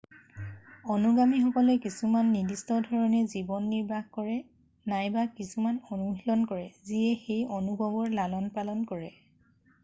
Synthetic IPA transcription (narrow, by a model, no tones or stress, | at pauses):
ɔnuɡamixɔkɔlɛkisumanːidistɔdʱɔɹɔnɛzibɔnːiɹbʱaxkɔɹɛ | najbakisumanɔnuɦilɔnkɔɹɛziɛxejɔnubɔbɔɹlalɔnpalɔnkɔɹɛ